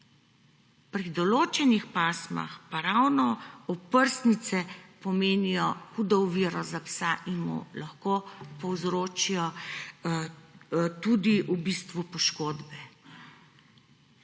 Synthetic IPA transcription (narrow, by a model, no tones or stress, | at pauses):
pɾid̪ɔloːt͡ʃɛnixpaːsma̰xpaɾawnɔɔpəɾsnit̪sɛpɔmeːnijɔxud̪ɔwʋiːɾɔzapsaʔinmṵlaxkoːpɔwzɾoːt͡ʃijɔ | t̪ud̪iʔubist̪ʋupɔʃkoːd̪bɛ